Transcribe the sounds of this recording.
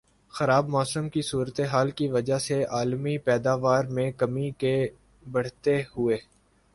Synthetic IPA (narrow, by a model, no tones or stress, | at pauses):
xɐɾaːbmɔːsəmkisuːɾət̪eɦaːlkiʋɐd͡ʒaseaːlmipɛːd̪aːʋaːɾmẽkɐmike | bɐɽ̤t̪ehʊeː